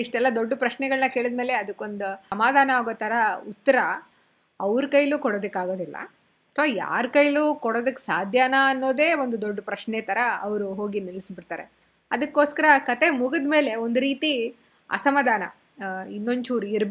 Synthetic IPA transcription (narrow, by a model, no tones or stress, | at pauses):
iʂʈɛlːɐd̪o̞ɖːupɾɐʂnɛɡɐɭnɐke̞ːɭid̪̚me̞ːle̞ɐd̪ukːo̞nd̪uɐmaːd̪ʱaːnɐaːɡoːt̪ɐɾɐut̪ːɐɾɐ | ɐʋɾkɐjɐlukɔɽoːd̪ɐkːaːɡo̞ːd̪ilːɐ̰ | ɐt̪ʰʋaːja̰ːɾkɐjɐluːkɔɽoːd̪ɐkːsaːd̪ʱjaːnaːnːo̞ːd̪e̞ːo̞nd̪ud̪oɖːupɾɐʂnɛt̪ɐɾɐɐʋɐɾuɦo̞ːɡinilsbiɽt̪aːɾe̞̰ | ɐd̪ɐkːo̞ːskɐɾɐkɐt̪e̞muɡɐd̪me̞ːle̞ond̪uɾiːt̪i | ɐ̰sɐmaːd̪ʱaːnɐ̰ | inːo̞ɲt͡ʃuːɾuiɾb